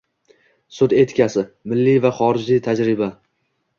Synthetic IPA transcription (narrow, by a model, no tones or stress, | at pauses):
sʊd̪e̞t̪kʲʰasɪmɪlːijvaχɒɾɪd͡ʒlɪjt̪ʰad͡ʒɾɪba